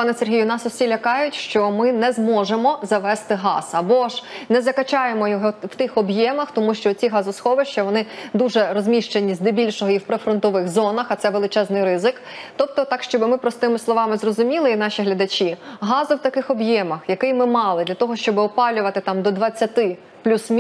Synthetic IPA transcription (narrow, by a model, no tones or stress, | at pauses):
pɑnɛserɦijʊnɑsɔsʲilʲɐkɑjʊtʲʃt͡ʃɔmɪnɛzmɔʒemɔzɐʋɛst̪ɪɦɑ̰sɐbɔʒnɛzɐkɐt͡ʃɑjemɔjɔɦɔw̥t̪ɪxɔbjɛmɐxt̪ɔmuʃt͡ʃɔt͡sʲiɦɑzʊsxɔʋeʃt͡ʃɐʋɔnɪd̪uʒɛrɔzʲmʲiʃt͡ʃenʲizʲd̪ebʲilʲʃɔɦɔiwpɾefɾɔnt̪ɔʋɪxzɔnɐxɐt̪sɛʋelˠɪt͡ʃɛznɪjɾɪzɪk | t̪ɔp̚t̪ɔt̪ɑkʃt͡ʃɔbɪmɪpɾɔst̪ɪmɪslˠɔʋɑmɪzrɔzʊmʲilˠɪin̪ɑʃiɦlʲɐd̪ɐt͡ʃʲiɦɑzʊwt̪ɐkɪxɔbjɛmɐxjɐkɪjmɪmɑlˠɪd̪lʲɐt̪ɔɦɔʃt͡ʃɔbɪɔpɑlʲʊʋɐt̪ɪt̪ɑmd̪ɔd̪ʋɐt͡sʲːɐt̪ɪ | plʲusmʲ